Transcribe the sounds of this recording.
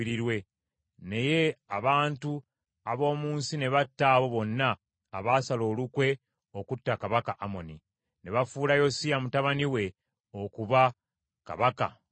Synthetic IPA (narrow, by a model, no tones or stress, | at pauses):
iɾiɾwe̞ | ne̞je̞aβaːntu | aβo̞ːmuːnsine̞βatːaːβo̞βo̞nːaː | βasalo̞ːlukwe̞ | o̞kutːakaβakaʔamo̞ni | ne̞βafuːlajo̞siamutaβaniwe̞ | o̞kuβa | ka̰βaka̰